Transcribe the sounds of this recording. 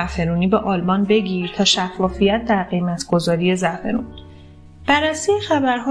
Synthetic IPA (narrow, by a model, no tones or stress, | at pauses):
æfe̞ɾuːniːbeʔɒːlmɒnbe̞ɟiːɾt̪ʰɒːʃæfːɒːfijæt̪̚ʰd̪æɾɢe̞jmæt̪ʰɡ̥o̞zɒːɾie̞zæfe̞ɾun | b̥æɾːæsijexæbæɾɦɒː